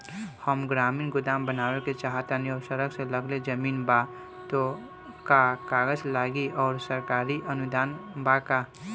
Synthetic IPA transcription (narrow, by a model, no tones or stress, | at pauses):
həmɡɾaːmiːnɡʊd̪aːmbənaːweket͡ʃaːɦt̪aniɔːsəɾəɡseləɡled͡ʒəmiːnba | t̪o | kakaːɡəd͡ʒlaːɡiʔɔːɾsəɾkaːɾiʔənʊd̪aːnbaka